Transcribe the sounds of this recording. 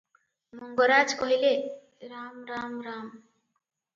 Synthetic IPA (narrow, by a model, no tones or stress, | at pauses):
muŋɡɔɾad͡ʒkɔɦile | ɾamɾamɾaːm